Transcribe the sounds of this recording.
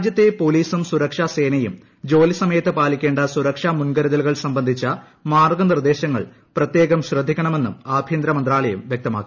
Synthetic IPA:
d͡ʑjɐt̪ːe̞po̞ːliːsumsuɾɐkʂase̞ːnɐjum | d͡ʑo̞ːlisɐmɐjɐt̪ːɨpaːlikʲːe̞ːɳɖɐsuɾɐkʂamunɡɐɾɐðɐluɣɐɭsɐmbɐnd̪ʱit͡ɕːɐ | maːrɡɐnird̪e̞ːɕɐŋːɐ̰ɭ | prɐt̪je̞ːɣɐmɕrɐd̪ʱikʲːɐɳɐme̞nːṵmaːbʱjɐnd̪ɾɐmɐnd̪ɾaːɭɐjɐmʋjɐk̚t̪ɐma̰ːkːi

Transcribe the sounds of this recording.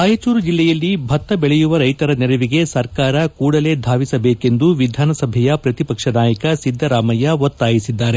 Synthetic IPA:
aːjit͡ʃuːɾud͡ʒilːɛjɐlːibʱɐt̪ːɐbɛɭɛjuʋɐɾɐjt̪ɐɾɐnɛɾɐʋiɡe̞sɐɾkaːɾɐkuːɽɐle̞ːd̪ʱaːʋisɐbeːke̞nd̪uʋid̪ʱaːnɐsɐbʱɛjɐpɾɐt̪ipɐkʂɐnaːjɐkɐsid̪ʱːɐɾaːmɐjɐʋot̪ːaːjisid̪ːaːɾe

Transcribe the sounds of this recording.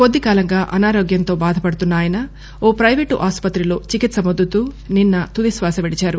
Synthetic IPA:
ko̞d̪ːikaːlɐŋɡaːʔɐnaːɾoːɡjɐnt̪o̞ːbaːd̪ʱɐpɐɽut̪unːaːjɐnɐ | oːpɾɐjʋeːʈuʔaːspɐt̪ɾilo̞ːt͡ʃikit̪sɐmod̪ʱːut̪uːninːɐt̪ud̪isʋaːsɐʋeɽit͡ʃaːɾu

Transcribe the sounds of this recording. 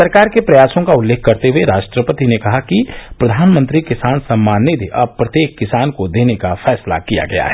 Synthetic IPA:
sɐɾkaːɾkepɾɐjaːsõkaʊlːeːkʰkɐɾt̪eɦueɾaːʃʈɾəpət̪inekɐɦakipɾɐd̪ʱaːnmə̃nt̪ɾikɪsaːnsɐ̃mːaːned̪iʔɔ̰ːɾpɾɐt̪jeːkːɪsaːnkod̪eːnekafʰɛːsla̰kija̰ɡɐja̰ɦɛː

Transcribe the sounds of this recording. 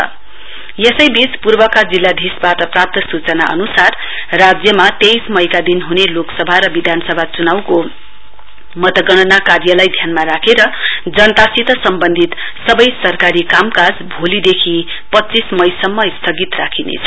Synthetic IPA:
jesʌjbit͡spurbʌkad͡zilːad̪ʱisbaʈʌprap̚t̪ʌsut͡sʌnaʔʌ̰nusar | rad͡zjʌmat̪ejsmʌjkad̪inɦuneloksʌbʱaɾʌbid̪ʱanʌsʌbʱat͡sunawko | mʌt̪ʌɡʌñʌnakarjʌlajd̪ʱjanmaɾakʰeɾʌd͡zʌnʌt̪asit̪ʌsʌmbʌnd̪ʱit̪ | sʌbʌjsʌrkaɾikamkad͡zbʱolid̪ekʰi | pʌtːt͡sismʌjsʌmːʌist̪ʰʌɡit̪rakʰinḛt͡sʰʌ̥

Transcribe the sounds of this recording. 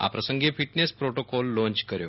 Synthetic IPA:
a̰pɾəsəŋɡefiʈnespɾoʈokɔlːõɲt͡ɕkəɾjo

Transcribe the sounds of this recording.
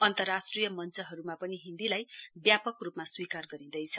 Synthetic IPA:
ʌnt̪ʌrːasʈrijʌmʌnt͡sʌɦʌɾumapʌniɦind̪ilajbjapʌkrupmaswikarɡʌɾĩd̪ʌjt͡sʰʌ

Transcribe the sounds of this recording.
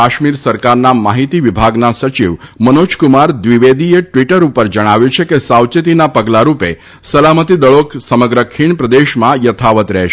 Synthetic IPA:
aʃmiɾsəɾkaɾnamaɦit̪iʋibʱaɡnasət͡ʃiʋmənod͡ʒkumaɾd̪ʋiʋed̪ieʈʋiʈəɾupəɾd͡ʒəɽ̃aʋjut͡ʃʰekesawt͡ʃət̪inapəɡlaɾupe | səlamət̪id̪əɭoksəməɡɾəkʰiɳpɾəd̪eʃmãjət̪ʰaʋət̪ɾɛ̰ɦʃe

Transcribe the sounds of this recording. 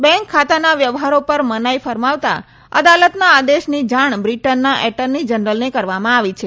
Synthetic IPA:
bɛ̃ŋkʰːat̪anaʋjəʋɦaɾopəɾmənajfəɾmaʋt̪a̰ | ə̰d̪alət̪naːd̪eʃnid͡ʒaɳbɾiʈənːaʔɛʈənnid͡ʒənɾəlnekəɾʋamãaʋit͡ʃʰe

